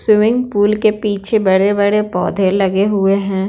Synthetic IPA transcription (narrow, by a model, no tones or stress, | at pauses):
sɪʋɪ̃ŋɡpuːlkepiːt͡ʃʰebɐɽebɐɽepɔ̰ːd̪ʱelɐɡeɦʊeɦɛ̃ː